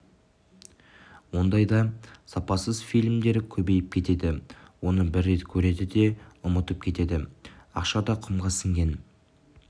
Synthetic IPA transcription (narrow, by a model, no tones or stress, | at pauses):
wo̞nd̪ɑjd̪ɑsɑpɑsəzfijlʲmd̪e̞ɾɪkʲʰɵbe̞jɪp̚kʲʰe̞t̪e̞d̪ɪwo̞nəbɪɾːe̞t̪kʲʰɵɾe̞d̪ɪd̪e̞ʊmət̪əp̚kʲʰe̞t̪e̞d̪ɪɑqʃɑd̪ɑqʰʊmʁɑsɪŋɡʲe̞n